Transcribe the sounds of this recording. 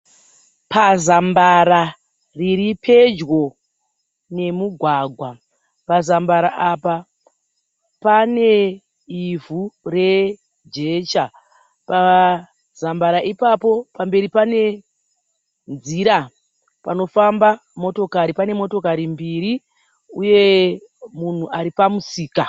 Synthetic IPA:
pazambaɾa | riɾipʰe̞d͡ʒɣo̞ | ne̞muɡʱwaɡʱwa | pazambaɾaʔapa | pane̞ | ivure̞ | d͡ʒe̞t͡ʃa | pa | zambaɾaʔipapo̞pambe̞ɾipane̞ | nziɾa | pano̞famba | mo̞to̞kaɾipane̞mo̞to̞kaɾimbiɾi | uje̞ | mun̤uʔaɾipamusiːka

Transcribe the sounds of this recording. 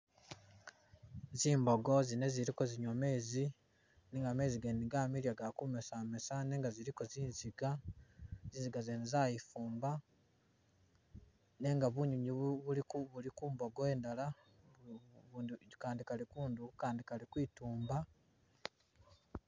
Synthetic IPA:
ziːmbo̞ɡo̞zine̞ziɾiko̞ziɲome̞ːzi | neŋɡame̞ːziɡeniɡamiljaɡakumesamesane̞ːŋɡaziɾiko̞ziːnziɡa | ziːnziɡazeːnizajifuːmba | ne̞ŋɡaβuɲuɲiβulikuβulikuːmbo̞ɡoe̞ːndala | kaːndikalikuːndukukaːndikalikwiːtuːmba

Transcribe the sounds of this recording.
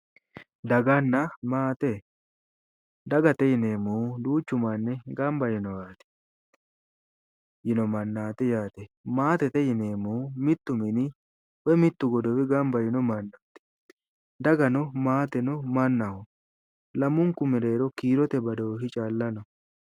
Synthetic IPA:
d̪ɐɡɐnːɐmaːt̪ɛ | d̪ɐɡɐt̪ɛjɪneːmud̪uːt͡ʃːʊmanːɛɡɐmbɐjɪnɔjaːt̪ɛ̥ | jɪnɔmɐnːaːt̪ɛjaːt̪ɛmaːt̪ɛt̪ɛjɪneːmumɪt̪ːʊmɪnɪ | wɛmɪt̪ːʊɡɔd̪ɔwɪɡɐmbɐjɪnɔmɐnːaːt̪ɛ̥ | d̪ɐɡɐnɔmaːt̪ɛnɔmɐnːɐhɔ | lɐmʊŋkʊmɪɾeːɾɔkiːɾɔt̪ɛbɐd̪owɦɪt͡ʃʼaːlːɐnɔ

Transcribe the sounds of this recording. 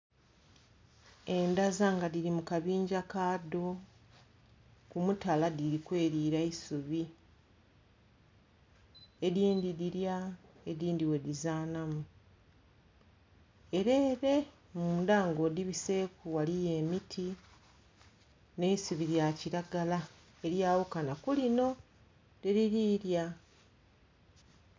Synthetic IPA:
e̞ndazaŋɡadiɾimukaβiːɲɟakaːdo̞ | kumutaladiɾikwe̞ːɾiːɾaisuβi | ediːndidiɾja | e̞diːndiwe̞dizaːnamu | e̞ɾeːɾe̞ | muːndaːŋɡo̞diβise̞kuwalije̞mitʰi | ne̞isuβiɾjaciɾaɡala | e̞ɾjaːwukanakulino̞ | deɾiɾiːɾja

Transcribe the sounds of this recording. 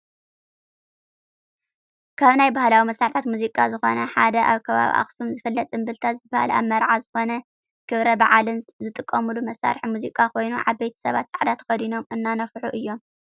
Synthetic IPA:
kʰaβnajbahlawimɐsɾaħt̪ʰat̪muzikʼazɨxo̞̰nɐħad̪ɐʔaβkʰɐβa̰βḭʔa̰xsumzɨfɐlːɐt̪ʼɨmbɨlt̪ʰazɨbaha̰la̰βmɐɾʕazɨxo̞nɐ | kʰɨβɾɐbaʕalɨnzɨt̪ʼɨkʼːɐmulumɐsa̰ɾħimuzikʼakʰo̞jnuʕa̰βbejt̪ʰɐ̥sɐβat̪̚sʼaʕd̪at̪ʰɐ̥xɐd̪ino̞mɨnːanɐfħuʔɨjːo̞m

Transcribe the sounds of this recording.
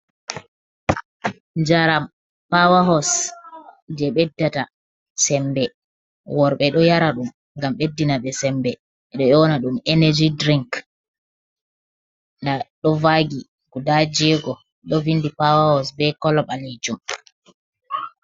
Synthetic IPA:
ɲd͡ʒaɾam | pawaɦɔs | d͡ʒɛɓɛdːata | sɛmbɛ | wɔɾɓɛɗɔjaɾaɗum | ŋɡamɓedːinaɓɛsɛmbɛ | ɛɗɔɔnaɗumɛnɛd͡ʒidɾiŋk | ndaɗɔvaɡi | ɡudad͡ʒɛɡɔ | ɗɔvindipawahɔsbɛkɔlɔɓalid͡ʒum

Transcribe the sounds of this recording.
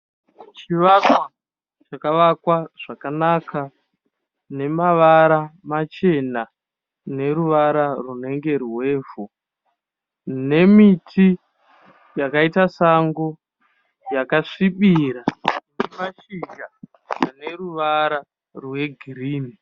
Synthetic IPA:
t͡ʃiʋakwa | t͡ʃakaʋakwaʐ̥akanakʰa | ne̞maʋaɾamat͡ʃe̞na | ne̞ɾuʋaɾarune̞ŋɡe̞rwe̞ːvu | ne̞mitʰi | jakaitasaŋɡo | jakaʂiɓiɾanemaʃiɡa | aneɾuʋaɾa | rwe̞ɡʱiriːni

